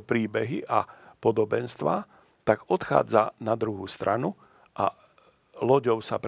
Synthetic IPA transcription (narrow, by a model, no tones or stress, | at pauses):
pɾiːbɛɦiʔapɔd̪ɔbɛnst̪ʋaː | t̪aɡɔt̪xa̰ːd͡zanad̪ɾuɦuːst̪ɾʔanu | ʔa̰ | lɔɟɔʊsap